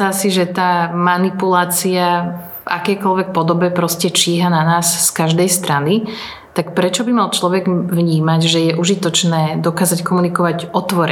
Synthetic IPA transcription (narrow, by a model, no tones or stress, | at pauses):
asiʒɛt̪aːmanipulaːt͡sia | a̰kɛjkɔlʋɛk̚pɔd̪ɔbɛpɾɔscɛt͡ʃiːɦananaːsːkaʒd̪ɛjst̪ɾani | t̪akpɾɛt͡ʃɔbimalt͡ʃlɔʋɛɡʋɲiːmaɟʒɛjɛʔuʒit̪ɔt͡ʃnɛːd̪ɔkaːzackɔmunikɔʋaɟʔɔt̪ʋɔɾɛ